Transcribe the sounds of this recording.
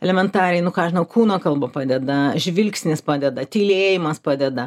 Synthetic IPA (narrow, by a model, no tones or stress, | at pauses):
ɛlʲɛmʲɛnt̪ɑːɾʲɛjnʊkɑːʒʲɪnɐʊkʰuːnoːkɐlˠbɐpɑːd̪ʲɛd̪ɐʒʲʋʲɪlʲksʲnʲɪspɑːd̪ʲɛd̪ɐt̪ʲiːlʲeːjɪmɐspɑːd̪ʲɛd̪ɐ